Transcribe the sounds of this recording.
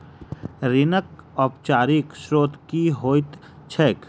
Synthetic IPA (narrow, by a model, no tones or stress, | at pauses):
ɾɪnək̚ɔːp̚t͡ʃaːɾikʃɾoːt̪kiɦoːt̪ | t͡ʃʰɛːk